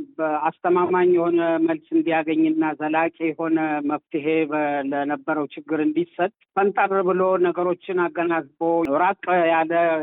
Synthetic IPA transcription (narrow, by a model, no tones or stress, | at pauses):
bəast̪ʰəmamaɲjɛho̞nəməlsɨnd̪ijaɡəɲːɨnːazəlakʼejɛho̞nəməft̪ʰɨɦe̞blənəbːəɾəwt͡ʃɪɡːɨɾɨnd̪isət̪kʰənt̪ʼərβɨlo̞nəɡəɾo̞t͡ʃːɪnaɡːənazboɾakʼjalə